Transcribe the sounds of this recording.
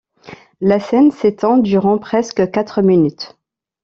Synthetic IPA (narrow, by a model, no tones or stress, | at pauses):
lasɛnset̪ɑ̃d̪yʁɑ̃pχɛskəkat̪χəminyt̪